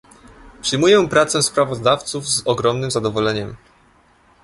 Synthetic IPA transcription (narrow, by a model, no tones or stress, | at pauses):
pʂɘjmujɛ̃pɾat̪sɛspɾavɔzd̪aft̪suvzɔɡɾɔmnɘmzad̪ɔvɔlɛɲɛm